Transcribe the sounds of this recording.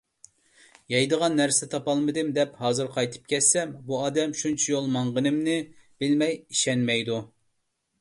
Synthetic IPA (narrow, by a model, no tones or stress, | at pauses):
jɛjd̪əʁɑnːæɾsɪt̪ʰɑpɑlˠmɨd̪ɨmd̪ɛphɑːzɨɾqʰɑjt̪ʰɨ̥p̚kʲʰɛt̪sɛmbuɑːd̪ɛmʃunt͡ʃʰijolˠmɑɴʁənɨmnɪb̥ɪlmɛjiʃɛnmɛjd̪u